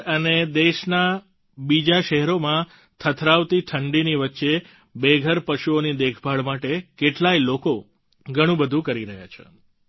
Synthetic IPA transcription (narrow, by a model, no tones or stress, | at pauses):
əned̪eʃna | bid͡ʒaʃɛɦɛɾomã | t̪ʰət̪ʰɾaʋt̪iʈʰəɳɖiniʋətːʃe | beɡʱəɾpəʃuonid̪ekʰbʱaɭmaʈekeʈlailoko | ɡʱəɽ̃ũbəd̪ʱũkəɾiɾəɦja̰t͡ʃʰḛ